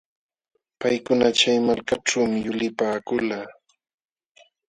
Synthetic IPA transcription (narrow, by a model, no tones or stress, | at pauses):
pajkʊnat͡ʃajmalkaʈ͡ʂawmɪjʊlɪpaːkʊlaː